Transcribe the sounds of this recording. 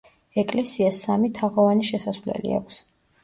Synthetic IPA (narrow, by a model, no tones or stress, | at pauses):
ɛkʼlɛsiasːamit̪ʰaʁɔvaniʃɛsasvlɛ̰lḭa̰kʰs